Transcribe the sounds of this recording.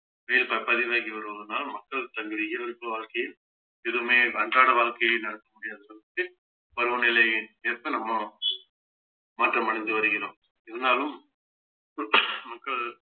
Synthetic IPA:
ʋɐjɪlpɐpɐðɪʋaːɣiʋɐɾɯʋɐðɯnːaːlmɐkːɐɭt̪ɐŋɡɪðɪjɪlɐɾɯpːɯʋaːɭkɐjɪl | ɛðɯmeːkɐɳdraːɽɐʋaːɭkɐjɐnɐɽɐkːɐmʊɽɪjaːðɯsɐlːɐt̪ːɯ | pɐɾɯʋɐnɪlɐɪneːɾp̪ːɐnɐmːɐ | maːʈrɐmɐɽɐɲd̪ɯʋɐɾɯɣɪɾõːm | ɪðɐnaːlɯm | mɐkːɐɭ

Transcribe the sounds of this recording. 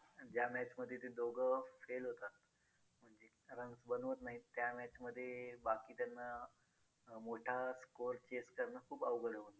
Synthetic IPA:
d͡ʑjamæt͡ɕməd̪ʱːjet̪ed̪oɡʱəfelɦot̪at̪ | m̤əɳd͡ʑe | ɾəŋɡsbənʋət̪naɦit̪jamɛt͡ɕməd̪ʱːjebakiːt̪janːa | moʈʰaskoɾt͡ɕeskəɾnakʰuːpaʋɡəɽəʋən

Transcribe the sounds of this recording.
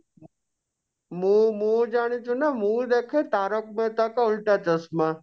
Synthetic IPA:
mũːmũd͡ʒaːɽ̃it͡ʃʰunamũd̪eːkʰet̪aːɾok̚mẽt̪ɐkaʊlʈat͡ʃɐsma

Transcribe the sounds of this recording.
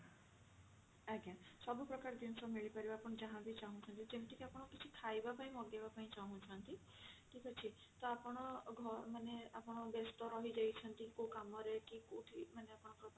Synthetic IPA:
aɡasɔbʱupɾɔkaɾd̪insɔmiɭipaɾibaːpɔɽ̃ɔd͡ʒaɦãbit͡ʃaɦũt͡ʃʰɔnt̪id͡ʒemʈikiapɔɽ̃ɔkit͡ʃʰikʰajbapaĩmɔɡjabapaĩt͡ʃaɦũt͡ʃʰɔnt̪i | ʈʰikʰat͡ʃʰi | t̪ɔapɔɽ̃ɔɡʱɔɾmaneapɔɽ̃ɔbest̪ɔɾɔɦid͡ʒajt͡ʃʰɔnt̪ikõkamɔɾekikoʈʰimaneapɔɽ̃ɔpɾɔt̪

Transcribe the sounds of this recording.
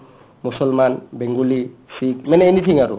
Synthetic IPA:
musɔlmanbeŋɡulisikmɛnɛɛnit̪ʰiŋaɾṵ

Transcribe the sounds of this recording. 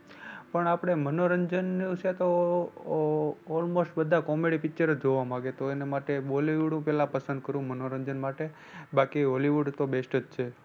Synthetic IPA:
pəɳapɽ̃emənoɾəɲd͡ʒənːũt͡ʃʰet̪o | ɔlmosʈbəd̪ʱakomeɽipɪkt͡ʃəɾəd͡ʒoʋamãɡet̪oenemaʈeoliʋuɽũpɛlãpəsə̃nd̪̚kəɾũmənoɾəɲd͡ʒənmaʈe | bakioliʋuɖt̪obesʈəd͡ʒt͡ʃʰe

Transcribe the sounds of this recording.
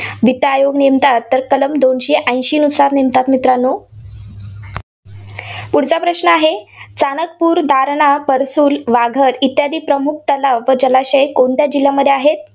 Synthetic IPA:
bʱiʈ̪əajoɡnemt̪at̪ːəɾkələmd̪onɕeʔə̃jɕiːnusaɾnimt̪at̪mit̪ɾanːo | puɽ̤t͡sapɾəɕnəaɦet͡sanək̚puːɾd̪ʱaɾɳapəɾsuːlʋaɡʱət̪it̪jad̪iːpɾəmuk̚t̪əlaʋʋəd͡ʑəlaɕəjkont̪jad͡ʑiljaməd̪ʱːeaɦet̪̚

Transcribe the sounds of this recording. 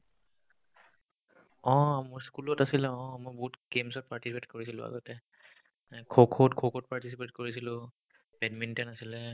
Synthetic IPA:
ɔ̃mɔskulɔtasilɛɔ̃mojbɔɦutɡemsɔt̚paɹtisipetkoɹisilʊ̰̃a̰ɡɔtɛ | kʰokʰotkʰokʰot̚paɹtisipetkoɹisilʊ̃ | pɛdmintɛnasilɛ

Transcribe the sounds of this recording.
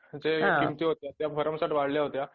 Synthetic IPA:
d͡zeimt̪iːɦot̪jat̪jafəɾəmsaʈʋaɽljaɦot̪ja

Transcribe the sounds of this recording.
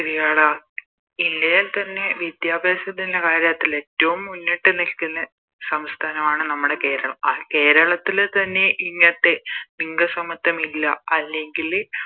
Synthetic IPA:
iɾijaːɭaː | indɐjalt̪ɐnːe̞ʋjid̪jaːbeːsɐt̪ːindekaːɾjɐt̪ːile̞tːɐʋumːunːiʈːɨnilkːunːɐ | sɐmst̪ʰaːnɐmaːɳɨnɐmːuɽe̞ke̞ːɾɐɭɐmɐke̞ːɾɐɭɐt̪ːilt̪ɐnːe̞ʔiŋːɐɐt̪ːeniŋɡɐsɐmɐt̪ːɐmilːɐ̰ɐlːe̞ŋɡil

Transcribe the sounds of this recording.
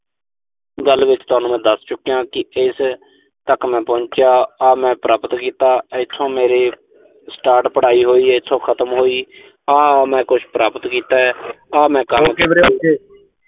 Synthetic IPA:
ɡəlʋɪt͡ʃt̪ʊaːnũːmɛ̃ːd̪əst͡ʃʊkːijãːkɪɪs | t̪əkmɛ̃ːpɔ̃ːt͡ʃjaːaːmɛ̃ːpɾaːpət̪kiːt̪aːt̪ʰːõːmeːɾeː | sʈaːɾʈpəɽ̤aːiːɦoːiːɪt̪ʰõːkʰət̪əmɦoːiː | aːmɛ̃ːkʊt͡ʃʰpɾaːpət̪kiːt̪aːɛː | aːmɛ̃ːkəmkːeː

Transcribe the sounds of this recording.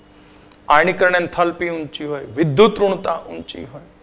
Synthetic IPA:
aːɪñikəɾɳ̃ent̪ʰɐlpiʊnt͡ʃiɦoːeʋɪd̪ʱjut̪ɾʊɽ̃t̪aʔʊnt͡ʃḭɦoːe

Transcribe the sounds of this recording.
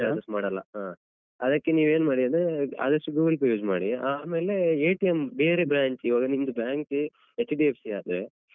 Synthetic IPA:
aːd̪ɐsmaːɽɐlːɐ̰ɦaː | ɐd̪ɐkːe̞niːʋe̞ːnmaːɽiɐnd̪ɾea̰ːd̪ɐsʈuɡuːɡɐlpɾɐjuːd͡ʒmaːɽiaːme̞ːle̞eːʈijembeːɾebɾaːɲt͡ʃiːʋaːɡɐnimd̪ubjaːŋkt͡ʃ | et͡ʃːɖiepsiaːd̪ɾe

